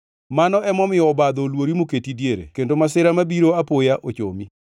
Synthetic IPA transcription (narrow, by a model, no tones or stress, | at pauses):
manɔʔɛmɔmɪɔbad̪ɔlwoɾimoketidjeɾḛkendomasɪɾamabiɾoapojaʔot͡ʃo̰mi